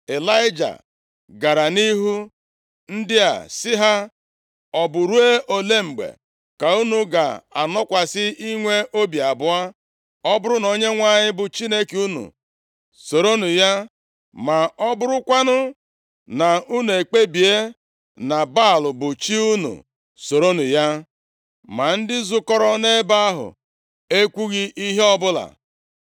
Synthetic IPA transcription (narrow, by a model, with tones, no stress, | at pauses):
e˨la˦ɪ˦d͡ʒa̰˨ | ɡa˨ɾa˨ni˦ɦu˦ | n̩˦dɪ˦a̰˨sɪ˦ɦa˦ | ɔ˨bʊ˨ɾu˦e˦ʔo˨le˦m̩˨ɡ͡bḛ˨ | ka˨u˦nu˨ɡa̰˨a̰˨nɔ˦kʷa˨sɪ˦i˦ŋʷe˦ʔo˦bi˨a˨bʊ˨a˦ | ɔ˦bʊ˦ɾʊ˦no˨ɲe˦ŋʷa˦˨ɲɪ˦bʊ˨t͡ʃi˦ne˦ku˦nṵ˨ | so˨ɾo˦nu˨ja˦ | ma˨ɔ˦bʊ˦ɾʊ˦kʷa˦nʊ˦ | na˨u˦nu˨e˨k͡pe˦bi˨e˦ | na˨ba˦˨lʊ˨bʊ˨t͡ʃi˦u˦nṵ˨ | so˨ɾo˦nu˨ja˦ | ma˨n̩˦dɪ˦zʊ˦kɔ˦ɾɔ˦ne˦ba˦a˦ɦʊ̰˨ | e˦kʷu˦ɣi˦ʔi˦ɦe˦ɔ˦bʊ˦la̰˨